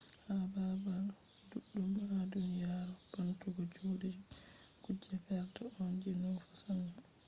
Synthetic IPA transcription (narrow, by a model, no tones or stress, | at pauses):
hababal | duɗːumadunjaɾɔb̥antuɡɔd͡ʒoːdɛ | ɡ̥ud͡ʒːɛfɛɾtɔɔnd͡ʒɛnɔfɔ̥sana